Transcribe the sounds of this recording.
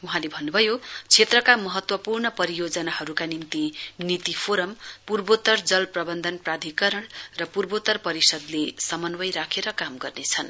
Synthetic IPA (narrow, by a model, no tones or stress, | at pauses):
uɦãlebʱʌnːubʱʌjot͡sʰet̪rʌkamʌɦʌt̪wʌpurnʌpʌɾijod͡zʌnaɦʌɾukanimt̪init̪ipʰoɾʌmpurbot̪ʌrd͡zʌlprʌbʌnd̪ʱʌnprad̪ʱikʌɾʌɳrʌpurbot̪ʌrpʌɾisʌd̪lesʌmʌnwʌjɾakʰeɾʌkamɡʌrnet͡sʰʌn